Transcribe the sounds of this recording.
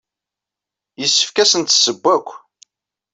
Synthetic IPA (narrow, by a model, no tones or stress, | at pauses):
jəsːə̥fkæsənt̪səbːækʷː